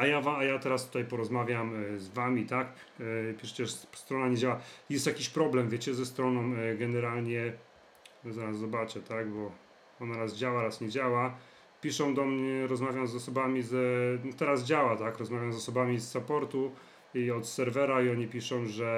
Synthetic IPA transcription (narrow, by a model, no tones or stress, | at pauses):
ajavaajat̪ɛɾast̪u̥t̪ajpɔɾɔzmavʲjamzvamʲit̪ak | pʲiʂt͡ɕɛʐst̪ɾɔnaɲed͡ʑawajɛst̪jakʲiɕpɾɔblɛmvʲjet͡ɕɛzɛst̪ɾɔnɔ̃w̃ɡɛnɛɾalɲɛ | zaɾasːɔbat͡ʂɛt̪aɡbɔ | ɔnaɾasd͡ʑawaɾasɲɛd͡ʑawa | pʲiʂɔ̃w̃d̪ɔmɲɛɾɔzmavʲjamzɔsɔbamʲizt̪ɛɾaz̬d͡ʑawat̪akɾɔzmavʲjamzɔsɔbamʲisːapɔɾt̪u | iɔt̪sɛɾvɛɾaiɔɲipʲiʂɔ̃w̃ʐɛ